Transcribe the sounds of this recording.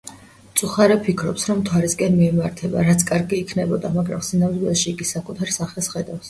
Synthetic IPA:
t̪sʼuχaɾɛpʰikʰɾɔpsɾɔmt̪ʰwaɾiskʼɛnmiɛmaɾt̪ʰɛba̰ɾat̪sʰkʼaɾɡiːkʰnɛbɔd̪amaɡɾa̰msinavd̪ɛʃiːɡisakʼut̪ʰaɾsaχɛsχɛd̪afs

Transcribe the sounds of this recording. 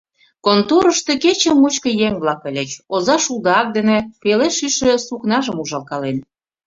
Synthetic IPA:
kont̪uɾəʃt̪e̽ket͡ɕə̆mut͡ɕkə̆jeŋβlɑkəlʲet͡ɕozɑʃuld̪ɑk̚d̪enĕpeleʃyʃĕsuknɑʒəmuʒɑlkɑlen

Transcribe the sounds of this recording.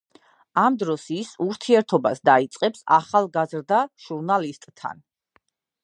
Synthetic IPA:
amd̪ɾɔsisuɾt̪ʰiɛɾt̪ʰɔbasd̪ait̪sʼqʼɛpsa̰χalˠɡazɾd̪aʒ̥uɾnalist̪ʼt̪ʰːa̰n

